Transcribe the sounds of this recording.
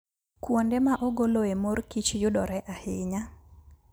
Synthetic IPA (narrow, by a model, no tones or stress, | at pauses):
kwondemaʔɔɡoloemorkit͡ʃjʊdɔɾɛʔahɪɲa